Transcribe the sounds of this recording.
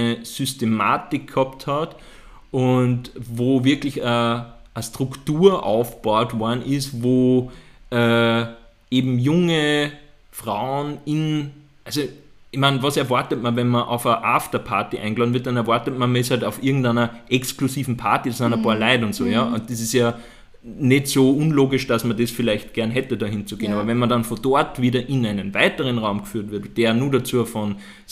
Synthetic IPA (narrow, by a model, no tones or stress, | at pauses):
esʏstema̰ːtɪkːʰhɑp̚thɑt | ʔʊntvoːvɪɐklɪçəːstʁ̥ʊktuːɐʔa̰ʊfb̥ɔɐtvɔɐnʔɪsvoːʔɛ | ʔeːbm̩jʊŋə | fʁ̥aʊənɪn | ʔalzoɪçmaɪnvɑsɛɐʋaɐtətmɐvɛnmɐʔa̰ʊfəʔaːftɐpʰaɐtiʔæ̰̃ɪnɡlɑːdn̩viɪɐt̚d̥ɑnɛɐvaɐtətmɐmɛshaltaʊfʔɪɐɡŋ̩tdæɪnɐʔɛksklusiːvn̩pʰaɐtidsanɐb̥ɔɐlæɪtʊntsoːjɑːʔʊ̰̃nt̚d̥esɪsjɑː | netsoːunloːɡɪʃd̥asmɐdesfɪlæɪçt̚ɡ̥ɛɐnɦɛtədɑɦɪnt͡suɡeːnʔaːbɐvɛnmɐdɑnfodɔɐtviːɾɐʔɪnæɪnənvæɪtəʁənʁaʊmɡ̥əfyːɐtvɪɐtd̥eːɐnuːɐɾat͡suːɐfɔn